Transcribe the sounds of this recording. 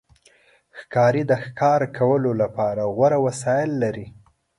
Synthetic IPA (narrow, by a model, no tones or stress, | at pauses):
xkɑɾid̪əxkʰɑɾkʰawəlolapɑɾaɣwaɾawasɑjɪlːaɾi